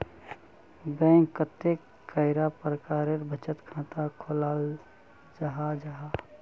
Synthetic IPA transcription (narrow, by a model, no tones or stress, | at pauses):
bɛ̃ːŋkːət̪ekː | əɪɾapɾəkaːɾeɾbʱət͡ʃət̪kʰãːt̪akʰolal | d͡ʒaɦad͡ʒaɦa